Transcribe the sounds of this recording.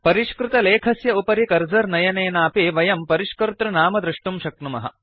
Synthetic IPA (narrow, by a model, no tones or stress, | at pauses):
pɐɾiʂkɾut̪ɐleːkʰɐsjɐupɐɾikɐɾd͡ʒɐɾnɐjɐneːnaːpiʋɐjɐmpɐɾiʂkɐɾut̪ɾɐnaːmɐd̪ɾuʂʈumʃɐknumɐɦɐ̰̆